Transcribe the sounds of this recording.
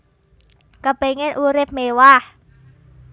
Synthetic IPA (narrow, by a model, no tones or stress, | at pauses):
kəpeŋɪnʔuɾɪp̚mewah